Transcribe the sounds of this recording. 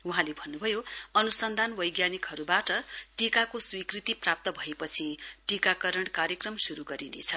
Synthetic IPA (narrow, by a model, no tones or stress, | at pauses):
uɦãlebʱʌnːubʱʌjoʌnusʌnd̪ʱanbʌjɡjanikɦʌɾubaʈʌʈikakoswikrit̪iprap̚t̪ʌbʱʌepʌt͡sʰiʈikakʌɾʌɳkaɾjekrʌmsuɾuɡʌɾinḛt͡sʰʌ